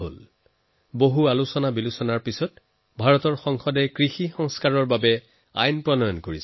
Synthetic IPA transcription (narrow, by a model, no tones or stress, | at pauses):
ɦo̰l | boɦualusɔnabilusɔnaɹpisɔt̚ | bʱaɹɔtɔɹxɔŋxɔdɛkɹixixɔŋskaɹɔɹbabɛ | a̰jnpɹɔnɔjɔnkoɹis